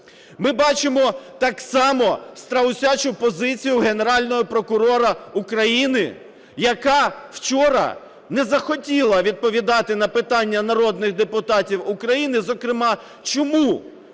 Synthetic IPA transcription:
mɪbɑt͡ʃɪmɔt̪ɑksɑmɔst̪ɾɐwsʲat͡ʃʊpɔzɪt͡sʲijʊɦe̞ne̞ɾɑlʲnɔɦɔpɾɔkʊɾɔɾɐukɾɐjinɪ | jɐkɑwt͡ʃɔɾɐ̰ | nɛzɐxɔtʲilˠɐʋʲid̪̚pɔʋʲid̪ɑt̪ɪnɐpɪt̪ɑnʲːɐnɐɾɔd̪nɪxd̪epʊt̪ɑtʲiwukɾɐjinɪzɔkɾɪmɑ | t͡ʃɔmu

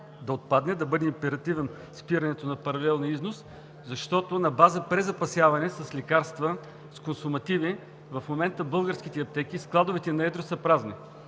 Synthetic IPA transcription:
d̪ɐot̪̚pad̪nɛd̪ɐbɤd̪ɛimpɛɾɐt̪ivɛn | spiɾɐnɛt̪onɐpɐɾɐlɛlˠnʲiiznos | zɐʃt̪ɔt̪ʊnɐbazəpɾɛzɐpɐsʲjavɐnɛsɐslʲɛkaɾst̪və | skonsʊmɐt̪ivi | vɐfmomɛnt̪əbɤlˠɡəɾskit̪ɛɐp̚t̪ɛk̟isklˠad̪ʊvɛt̪ɛnɐɛd̪ɾosɐpɾaznɛ

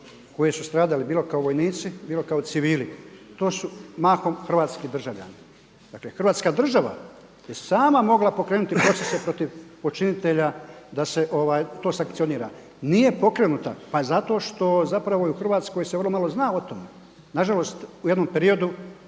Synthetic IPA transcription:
ko̞jesust̪ɾaːd̪alibiːlo̞kaoʋo̞jniːt̪sibiːlo̞kaot̪siʋiːlit̪o̞ːsumaːxo̞mxr̩ʋaːt̪skid̪r̩ʒaʋʎa̰ni | d̪aklexr̩ʋaːt̪skaːd̪r̩ʒaʋa̰ | jesaːmamo̞ɡlapo̞kɾeːnut̪ipɾo̞t̪sese̞pɾo̞t̪iʋpo̞t͡ʃinit̪e̞ʎad̪ase̞ʔo̞ʋaːjt̪o̞ːsaŋkt̪sio̞niːɾa̰ | nije̞po̞kɾe̞nut̪a̰pazat̪o̞ːʃt̪o̞zapɾaʋoiuxr̩ʋaːt̪sko̞jseʋrlo̞malˠo̞znao̞t̪ome | naʒalo̞st̪uje̞d̪nompeɾio̞d̪u

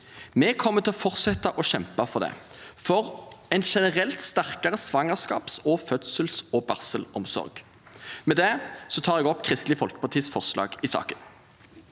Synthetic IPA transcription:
mɛkʰɔmːət̪ʰɪlɔfɔʁsɛt̪ːɑʔɔʃɛmpɑfɔʁd̪ɛ̰ː | fɔʁɛt̪ʃɛnəʁɛlt̪st̪æʁkɑʁəsʋɑŋəʁskɑ̰ːpsɔfœt̪səlsɔbɑʁsəlɔmsɔ̰ʁɡ | mɛd̪ɛsɔt̪ʰɑːʁɛɡɔpːkʰʁɪst̪lɪfɔlkə̥pʰɑʁt̪iːsfɔʁslɑ̰ːɡɪsɑ̰ːkən

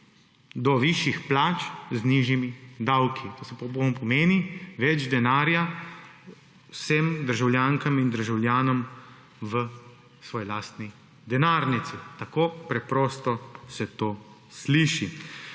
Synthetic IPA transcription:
d̪ɔʋiʃjixplaːt͡ʃzniːʒjimid̪awkʰit̪oːsɛpɔponpɔmeːniʋɛd͡ʒd̪ɛnaːɾja | wsɛmd̪əɾʒawljaːŋkamind̪əɾʒawljaːnɔm | ʋə | sʋɔːjlaːst̪ni | d̪ɛnaːɾnit̪sit̪akoːpɾɛpɾɔːst̪ɔsɛt̪oː | sliːʃi

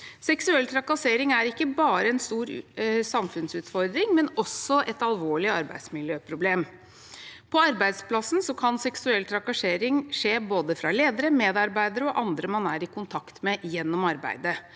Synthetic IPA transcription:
sɛksʉɛlt̪ʰɾɑkɑseːɾɪŋæɾɪkːəbɑːɾəɛnst̪uːɾsɑmfʉnsʉːt̪fɔɾd̪ɾɪŋmɛnɔsɔʔɛt̪ɑlˠʋoːɭɪɑɾbæ̰ɪsmɪljøːpʰɾʊbleːm | pʰɔɑɾbæɪd̪splɑsn̩sɔkʰɑnsɛksʉɛlːt̪ʰɾɑkɑʂeːɾɪŋʂeːboːd̪əfɾɑleːd̪əɾəmeːd̪ɑɾbæɪd̪əɾəɔʔɑnd̪ɾəmɑnæːɾɪkʰʊnt̪ʰɑkt̪mɛjɛnːɔmɑɾbæ̰ɪd̪ə

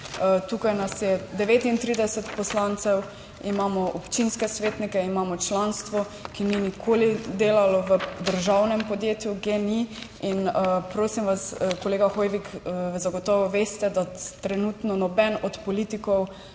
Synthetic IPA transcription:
t̪ukajnasjɛd̪ɛʋeːt̪int̪ɾiːd̪ɛsɛt̪pɔslant̪sɛw | imaːmɔʔɔpt͡ʃinskɛsʋeːt̪nikɛimaːmɔt͡ʃlanst̪ʋɔ | kininikʰoːlid̪eːlalɔʋəd̪əɾʒawnɛmpɔd̪jeːt̪juɡeniinəpɾoːsimʋaskoleːɡaxɔjʋikzaɡɔt̪ɔʋɔʋeːst̪ɛd̪at̪ɾɛnut̪nɔnɔbɛnɔt̪pɔlit̪ikɔw

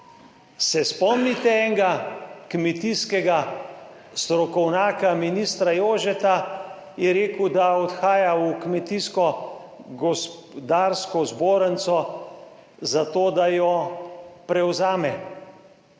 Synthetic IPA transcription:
sɛspɔmnit̪ɛɛːŋɡakmɛt̪iskɛɡa | st̪ɾɔkɔwnaːkaminist̪ɾajoːʒɛt̪a | jɛɾeːkwd̪aɔt̪xaːjaukmɛt̪iskɔ | ɡɔsp | d̪aːɾskɔzboːɾənt̪sɔ | zat̪oːd̪ajɔ | pɾɛwzaːmɛ

